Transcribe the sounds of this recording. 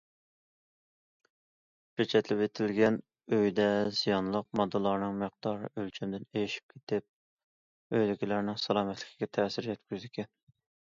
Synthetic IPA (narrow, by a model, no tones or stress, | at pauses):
pet͡ʃʰɛt̪lɪpet̪ʰɪlɡʲɛn | øjd̪ɛz̥ijɑnlˠəq̚mɑd̪ːɨlˠɑɾnɨŋməq̚d̪̥ɑɾɨ̰ʔølt͡ʃʰymd̪ɪnejiʃi̥p̚kʲʰe̥t̪ʰɪp̚ | øjlɪkʲilæɾnɪŋsɑlˠɑmɛt̪lɪ̥kʲʰi̥ɡʲɛt̪ʰɛːsɪɾjɛt̪kʲyzd̪ɪkʲʰɛn